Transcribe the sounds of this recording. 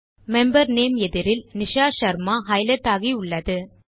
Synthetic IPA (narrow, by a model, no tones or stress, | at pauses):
mɛmbɐɾneːmɛðɪɾɪlnɪʂaːʃɐɾmaɦɐɪlɐt̪ːaːɣiʊɭːɐðɯ